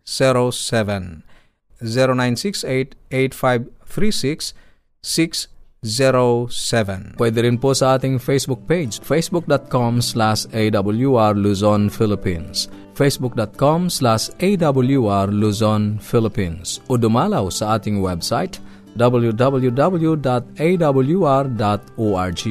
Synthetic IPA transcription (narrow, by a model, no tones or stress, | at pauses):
siɹosɛvɛ̃n | ziɾonãj̃nsiksetetfajvθɹisiksː | iksziɹosɛvɛ̃nwɛdəɾĩnposaatĩŋfesbuk̚ped͡ʒfesbuk̚dɔt̚kɔ̃mslaʃedʌbəl̩ˠjuaɹluzɔnfilɪpĩns | fesbuk̚dɔt̚kɔ̃mslaʃedʌbəl̩ˠjuaɹluzɔ̃nfilɪpĩnsudumalausaat̪ɪ̃ŋwɛbsaɪt | dʌbəl̩judʌbəlˠjudʌbəl̩judɔt̚edʌbəl̩juaɹdɔtoaɹd͡ʒi